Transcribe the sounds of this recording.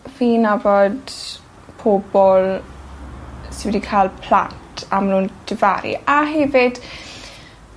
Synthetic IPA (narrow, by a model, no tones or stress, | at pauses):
viːnavɔd | pʰobɔl | sɪwɔdikʰalˠpʰla̰ntʰamanuːnd̥ʰɪva̰ɾḭaɦɛvɪd̥